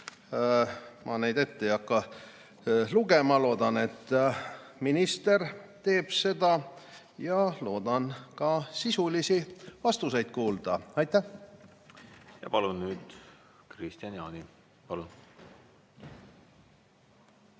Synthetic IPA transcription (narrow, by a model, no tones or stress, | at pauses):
mʔɑ̰ne̞jd̪e̞t̪ːejɑkːɑ | luɡe̞mɑlo̞ːd̪̥ɑne̞t̪ː | minist̪ert̪e̞ːb̥se̞d̪ɑ | jɑlo̞ːd̪ɑnkɑsisulisivɑst̪use̞jd̪̥̚kuːld̪̥ɑɑjt̪ːˑæh | jɑ̰pɑlunːyːd̪̥ | krist̪iɑnjɑ̰ni | pɑlun